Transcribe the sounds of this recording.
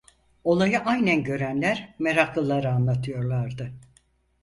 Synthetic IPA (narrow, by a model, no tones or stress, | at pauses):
o̞lˠajɯʔajnænɟø̞ɾænlʲæɾme̞ɾaklˠɯlˠaɾɯanlˠat̪ʰɯjo̞ɾlˠaɾd̪ɯ